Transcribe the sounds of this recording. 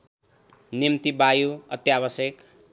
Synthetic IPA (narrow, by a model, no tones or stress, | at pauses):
nimt̪ibajuʌt̪jaβʌsjek